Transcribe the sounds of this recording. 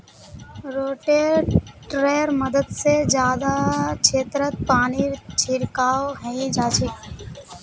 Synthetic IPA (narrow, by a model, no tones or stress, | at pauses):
ɾoːʈeːɾʈɾeːəɾməd̪əd̪sed͡ʒjaːd̪akʰeːt̪ɾət̪̚paːniːɾt͡ʃʰɪɾkaːoɦəĩd͡ʒaːt͡ʃʰek